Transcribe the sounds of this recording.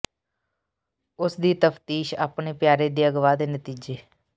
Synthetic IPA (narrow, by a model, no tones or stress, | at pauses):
ʊsd̪iːt̪əpʰt̪iːʃa̰ːpɳeːpjaːɾeːd̪eːəɡʋaːd̪eːnət̪iːd͡ʒeː